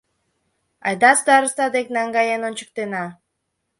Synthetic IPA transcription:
ɑ̰jd̪ɑsd̪ɑɾɯst̪ɑd̪eknaŋɡajenonʲt͡ɕɨ̥k̚t̪enɑ

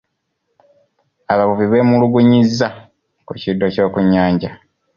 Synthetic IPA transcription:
aβaβuviβe̞ːmuluɡuɲizːa | kucidːo̞co̞ːkuɲːaːɲɟa

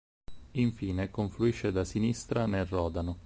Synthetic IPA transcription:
iɱfiːnekoɱfluiʃːed̪asinist̪ɾanerɔːd̪ano

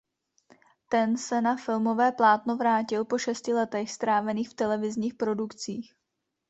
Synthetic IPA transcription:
t̪ɛnsɛnafɪlmo̞vɛːplaːt̪novɾaːcɪlpo̞ʃɛscɪlɛt̪ɛxst̪ɾaːvɛniːxft̪ɛlɛvɪzɲiːxpɾo̞dukt͡siːx

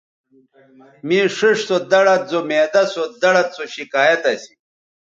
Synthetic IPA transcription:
mĩːʂiʂsod̪ɐɽɐt̪̚zomeːd̪ɐsod̪ɐɽɐt̪̚t͡soɕikaːjɐt̪ɐsi̥

